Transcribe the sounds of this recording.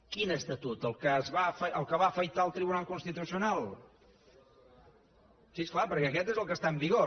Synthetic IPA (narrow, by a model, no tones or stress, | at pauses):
kinəst̪ət̪ut̪əlˠkəzβafəʔəlˠkəβaəfəjt̪aəlˠt̪ɾiβunalˠkunst̪it̪usiunalˠ | sisklapəɾkɛəkɛt̪ezəlˠkəst̪aəmbiɣo